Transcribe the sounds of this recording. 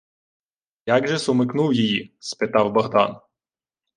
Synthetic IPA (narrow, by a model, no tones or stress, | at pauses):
jɑɡʒɛsʊmɪknuwjɪjispɪt̪ɑwbɐɦd̪ɑ̰n